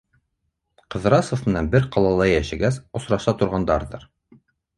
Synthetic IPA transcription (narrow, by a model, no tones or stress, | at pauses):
qɤ̆ðɾɑsŏfmɘ̆nænbɘɾqɑlˠɑlˠɑjæʃɘ̆ɡæsŏsɾɑʃɑt̪ŏɾʁɑnd̪ɑɾðɤɾ